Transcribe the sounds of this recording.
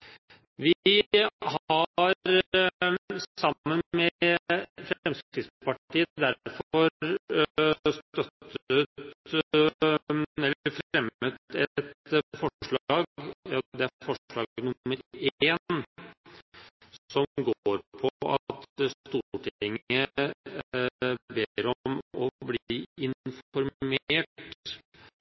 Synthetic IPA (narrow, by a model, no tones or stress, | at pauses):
ʋɪ | hɑɾɾ | ɑmːənmɛ | fɾɛmst̪ɪspɑʈiːəd̪æfɔɔɾ | st̪œt̪ːət̪ | ɛlːəɾfɾɛmːət̪ɛt̪fɔʂɭɑːɑd̪ɛæfɔʂɭɑːɡnʊmːəɾeːn | sɔmɡoːɾpʰɔɑ̰t̪st̪uːʈʰɪɪŋə | beːɾɔmɔbliːiɪnfɔɾmeːʈ